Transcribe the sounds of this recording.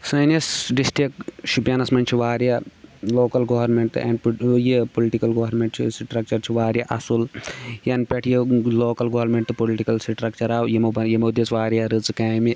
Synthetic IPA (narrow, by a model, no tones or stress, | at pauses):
sɐnɐsɖisʈɾik̚ʃubjanɐsmɐnt͡ʃʰiʋaːɾjaloːkɐlɡoʋɐɾmeɳʈ̪ɨɐ̰̃ːnjipoliʈikɐlɡoːʋɐɾmeɳʈt͡ʃʰisʈɾɐk̚t͡ʃɐɾt͡ʃʰiʋaːɾʲjaʔɐsuljɐnpʲeʈʰjiloːkɐlɡoːʋɾmeɳʈt̪ɨpoliʈikɐlsʈɾɐkt͡ʃɐɾaːwjemobɐjemoːd̪it͡sʋaːɾʲjaɾɨt͡skaːmi